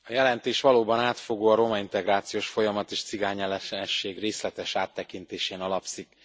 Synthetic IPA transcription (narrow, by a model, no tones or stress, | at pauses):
ɒjɛlɛnt̪eːʃʋɒloːbɒnaːt̪fo̞ɡoːɒɾo̞mɒint̪ɛɡraːt̪sijoːʃfo̞jɒmɒt̪eːʃt̪siɡaːɲɛlɛɛʃːeːɡreːslɛt̪ɛʃaːt̪ːɛkint̪eːʃeːnɒlɒpsik